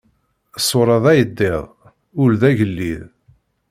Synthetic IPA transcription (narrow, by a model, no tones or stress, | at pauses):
sˤːoɾˤɑðˤæjəd̪ːɪðˤ | ʊlðæʝəlːið